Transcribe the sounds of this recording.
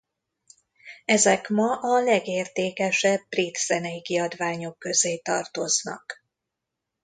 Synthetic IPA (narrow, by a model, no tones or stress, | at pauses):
ɛzɛkmɒʔɒlɛɡeːrt̪eːkɛʃɛbːrit̪z̥ɛnɛjikiɒd̪ʋaːɲo̞kːø̞zeːt̪ɒ̰rt̪o̞znɒ̰k